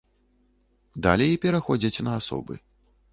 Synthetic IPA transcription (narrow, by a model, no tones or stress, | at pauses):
d̪alʲɛjpʲɛɾaxɔd͡zʲɐt͡sʲnɐasɔ̰bɨ̰